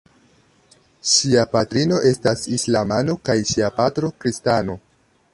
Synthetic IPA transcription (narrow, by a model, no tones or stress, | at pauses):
ʃiapatɾino̞ʔe̞stasislamano̞kajʃiapatɾo̞kɾistano̞